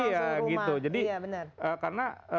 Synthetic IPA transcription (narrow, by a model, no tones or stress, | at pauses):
jaɡit̪ud͡ʒadibəəəːkaɾnaə